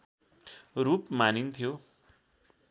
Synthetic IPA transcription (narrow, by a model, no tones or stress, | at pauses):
rupmanint̪ʰijo